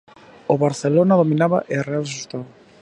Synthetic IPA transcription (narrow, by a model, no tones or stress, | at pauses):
oβaɾθelonaðominaβa̰ʔearealeʃust̪aβa